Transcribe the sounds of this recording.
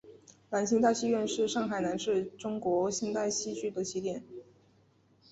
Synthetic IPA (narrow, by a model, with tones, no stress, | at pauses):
la˧˥nɕi˧˥ŋt̪a˥˧ɪɕi˥ɥɛ˥˧nʂɻ̩˥˧ʂɑ˥˩ŋxa˨˩ɪna˧˥nʂɻ̩˥˩ʈ͡ʂʊ˥ŋkwɔ˧˥ɕi˧˥ŋt̪a˥˩ɪɕi˥t͡ɕʰy˥t̪ə˨˥t͡ɕʰi˧˥t̪jɛ˥˩n